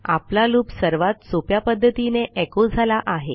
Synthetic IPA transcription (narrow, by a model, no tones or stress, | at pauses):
a̰plaluːpsəɾʋat̪sopjapəd̪ʱːət̪ineʔɛkod͡zʱalaʔaɦḛ